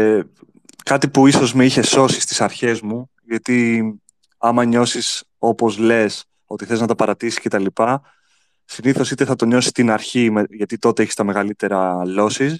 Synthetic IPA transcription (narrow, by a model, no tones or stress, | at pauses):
kɐt̪ipuiso̞zmeiçe̞so̞sist̪i̥sɐɾçe̞zmu | ʝɐt̪i | ɐmɐɲo̞sis | o̞po̞zle̞s | o̞t̪iθe̞znɐt̪ɐpɐɾɐt̪isi̥sce̞t̪ɐlipɐ | siniθo̞sit̪e̞θɐt̪o̞ɲo̞si̥t̪inɐɾçimeʝɐt̪it̪o̞t̪eeçist̪ɐme̞ɣɐlit̪e̞ɾɐlo̞sis